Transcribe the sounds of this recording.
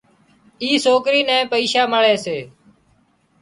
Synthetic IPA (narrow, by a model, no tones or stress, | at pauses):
iːsoːkɾiːnɛ̃ːpəiːʃaːməɭeːseː